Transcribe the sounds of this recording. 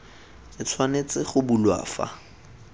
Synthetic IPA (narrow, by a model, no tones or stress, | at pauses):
t͡sʼɪt͡sʰwanet͡sɪχʊbulwa̰ːfa̰